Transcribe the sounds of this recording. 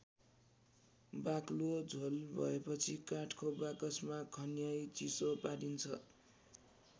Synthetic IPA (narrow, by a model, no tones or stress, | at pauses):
baklod͡zʱolbʱʌ̰epʌt͡sʰikaʈʰkobakʌsmakʰʌnjajt͡sisopaɽint͡sʰʌ̰